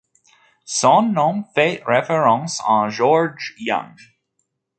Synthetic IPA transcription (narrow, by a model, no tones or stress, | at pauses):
sɔ̃nːõmfeɪʔɹɛfəɹɔ̃nsnd͡ʒɔɹd͡ʒjʌ̰̃ŋ